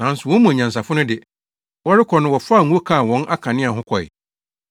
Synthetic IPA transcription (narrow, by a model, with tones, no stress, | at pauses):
nã˨˦n˦sʊ˨wɔ̃˦mũ˨a˨ɲã˨n˨s̬a˨fʊ˦nʊ̃˦dɪ˨ | wɔ˦ɾɪ˦kʰɔ˨nʊ̃˦wɔ˨faː˦˨ŋ˦o˦kʰã˦˨wɔ̃˦nʔa˦kʰã˨nɪ̃˦a˨ɦʊ̃˦kʰɔ˨ɪ̰˨